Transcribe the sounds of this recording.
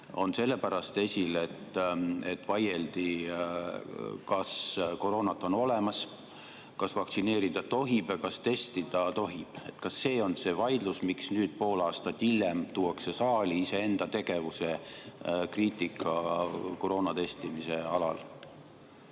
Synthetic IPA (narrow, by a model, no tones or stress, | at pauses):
o̞nse̞lːe̞pæɾɑst̪e̞sʲile̞t̪ːe̞t̪ːvɑje̞ld̪i | kɑsko̞ɾo̞ːnɑt̪ːˑo̞no̞lemɑs | kɑsvɑkt̪sine̞ːɾid̪̥ɑt̪o̞ɦib̥kɑst̪e̞st̪id̪̥ɑt̪o̞ɦib̥e̞t̪kɑsːe̞ːo̞nse̞vɑjd̪lusmiksnyːd̪̥̚po̞ːlɑːst̪ɑt̪ːilːemt̪uːwɑkse̞sɑːlʲiise̞e̞nd̪̥ɑt̪e̞ɡ̥e̞vuse̞ | kriːt̪ˑikːˑɑkoɾo̞ːnɑt̪e̞st̪imise̞ɑlɑ̰l